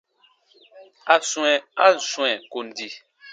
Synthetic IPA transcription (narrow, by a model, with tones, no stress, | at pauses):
a˨sũ˨ɛ̃˨a˦˨sw̃ɛ̃˨ko˨n˨di˨